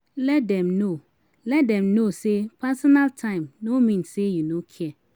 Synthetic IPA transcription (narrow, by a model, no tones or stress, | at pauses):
lɛt̚dɛ̃mno | lɛt̚dɛ̃mnosepʰasɔnaltʰãɪ̃mnomĩnsejunokʰiɛ